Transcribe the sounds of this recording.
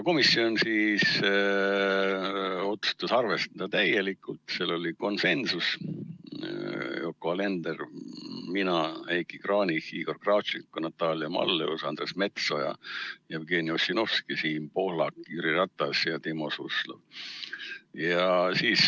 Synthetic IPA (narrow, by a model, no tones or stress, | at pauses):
ko̞misːio̞nsiːs | o̞t̪su̥st̪usɑrve̞st̪ɑd̪̥ɑt̪æje̞likːˑult̪selo̞liko̞nse̞nsus | jo̞kːoɑle̞nd̪erminɑejkːikrɑːnixiːɡ̥o̞rɡrɑʃikːˑonɑt̪ːɑːliɑmɑ̰lːḛusɑnd̪resme̞t̪so̞jɑ̰jɑvɡe̞ːniosino̞fskisiːnpo̞hlɑkːjyɾirɑt̪ːˑɑsjɑt̪imo̞suslo̰v | jɑsiːs